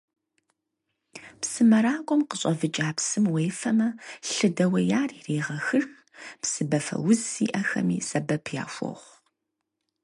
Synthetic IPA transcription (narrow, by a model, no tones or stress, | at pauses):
psɨmɐɾaːkʷʼɔmqəɕʼɐvɨt͡ʃʼaːpsɨmwejfɐmɐɬɨdɐwɐjaːriːreːʁɐxɨr | psɨbɐfɐ̰wʊzḭːʔɐxɐ̰mḭːsɐbɐpʰja̰ːʃʷɔ̰ʁʷ